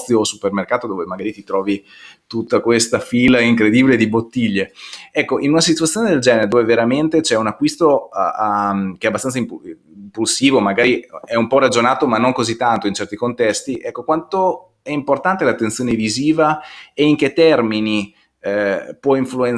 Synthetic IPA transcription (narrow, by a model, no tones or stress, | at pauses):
joːsupermerkaːt̪od̪oːvemaɡaːɾit̪it̪ɾɔːvi | t̪ut̪ːakwest̪afilaiŋkɾed̪iːbiled̪ibot̪ːiʎːeɛkːoʔinunasit̪wat̪sjoːned̪eld͡ʒɛːneɾed̪oːveveɾament̪et͡ʃɛunakːwist̪oamkeɛabːast̪ansaimp | mpulsiːvomaɡaːɾiɛumpɔrad͡ʒonaːt̪omanːoŋkozit̪ːant̪oint͡ʃɛrt̪ikont̪ɛst̪iʔɛkːokwant̪o | ɛimport̪ant̪elat̪ːent̪sjoːneviziːvaɛiŋk̟et̪ːɛrmini | pwɔiɱfluen